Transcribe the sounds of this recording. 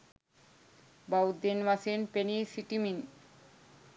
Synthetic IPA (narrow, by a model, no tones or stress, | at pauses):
bawd̪enmasenpenisiʈimin